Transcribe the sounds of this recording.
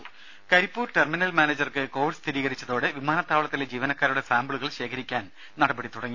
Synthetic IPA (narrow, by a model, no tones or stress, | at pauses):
kɐɾipːuːrʈerminɐlmaːneːd͡ʑɐrkɨko̞ːʋiɖst̪ʰiɾiːɣɐɾit͡ɕːɐðo̞ːɽɨʋimaːnɐt̪ːaːʋɐɭɐt̪ːiled͡ʑiːʋɐnɐkːaːɾuɽe̞saːmbɭuɣɐɭɕe̞ːkʰɐɾikʲːaːn | nɐɽɐbɐɽit̪uɽɐŋːi